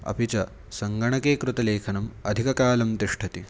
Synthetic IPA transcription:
ɐ̰pit͡ʃɐ | sɐŋɡɐɳɐkeːkɾut̪ɐleːkʰɐnɐmɐd̪ʱikɐkaːlɐmt̪iʂʈʰɐt̪i

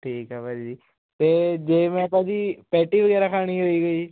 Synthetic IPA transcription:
ʈʰiːkɦɛːpad͡ʒd͡ʒiː | t̪eːd͡ʒeːmɛ̃ːpaːd͡ʒipɛːʈiʋəɡɛːɾakʰaːɽ̃iɦoːiɡəiː

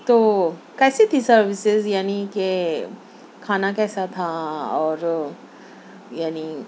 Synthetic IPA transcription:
t̪oː | kɛːset̪ʰisɐɾʋɪsɪzjaːnike | kʰaːnakɛːsat̪ʰaɔːɾ | jaːni

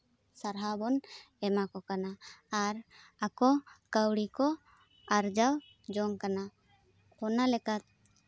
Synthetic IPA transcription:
saɾɦabɔn | ɛmakɔkanaːɾ | akɔkəwɽikɔ | aɾd͡ʒaw | d͡ʒɔŋkana | hɔnalɛkat̪̚

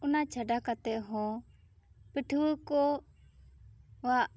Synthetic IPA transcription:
unat͡ʃʰaɖakat̪ɛʔɦɔ̃ | pəʈʰwəkɔ | waʔ

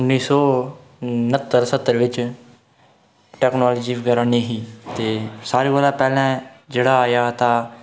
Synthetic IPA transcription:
ʊnːiːsɔː | nət̪ːəɾsət̪ːəɾʋɪt͡ʃ | ʈɛːknaːlːd͡ʒiːɡəɾãːneːɦiːt̪eːsaːɾeːʋəlaːpɛːlɛ̃ːd͡ʒeːɽaːjaːt̪ãː

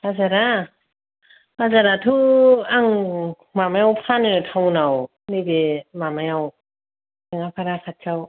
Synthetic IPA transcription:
bazaɾa | bazaɾatʰɯaŋ | mamajawpʰanɯtʰawnaw | nibemamajaw | sɯŋapʰaɾakʰat̚t͡ʃʰaw

